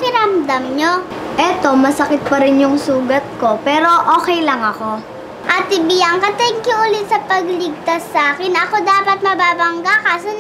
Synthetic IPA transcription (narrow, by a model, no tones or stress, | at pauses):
pɪɾɐmd̪ɐmɲoʔɛt̪o̞mɐsɐkɪt̪̚pɐɾɪnjʊŋsuːɡɐt̪̚ko̞pɛːɾo̞ʔoːkɛjlɐŋɐko̞ | ʔɐt̪ɪbijaŋkɐt̪ɐŋkɪʔʊlɪt̪̚sɐpɐɡlɪɡ̚t̪ɐsaːkɪnɐʔɐko̞d̪aːpɐt̪̚mɐbaːbɐŋɡakaːso